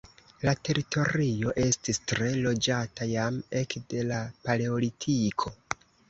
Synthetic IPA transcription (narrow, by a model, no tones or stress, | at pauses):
late̞ɾitʰo̞ɾio̞ʔe̞stistɾe̞lo̞d͡ʒatajame̞kde̞lapaleolitʰikʰo̞